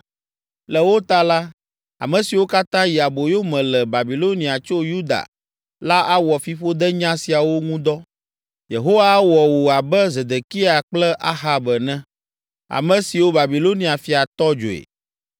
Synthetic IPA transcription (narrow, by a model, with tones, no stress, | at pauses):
lɛ˨wo˦t̪a˦la˦ | a̰˨mɛ̃˨si˨wo˦ka˦t̪ã˦ji˨a˨bo˨jo˦mɛ̃˨lɛ˨ba˨bi˨lo˦nĩ˨a˨t͡ʃo˦ju˦d̪a̰˨ | la˦ʔa˦wɔ˨fi˨˦ɸo˦d̪ɛ˦ɲã˦si˨a˨wo˦ŋũ˦d̪ɔ˦ | je˨ɦo˦wa˦wɔ˨wo˨a˨bɛ˦ze˨d̪e˨ki˦a˨k͡plɛ˦ʔa˦ɦa˨bɛ˨nɛ̃˦ | a̰˨mɛ̃˨si˨wo˦ba˨bi˨lo˦nĩ˨a˨fi˨a˨t̪ɔ˦d͡ʒo̰˨ḛ˨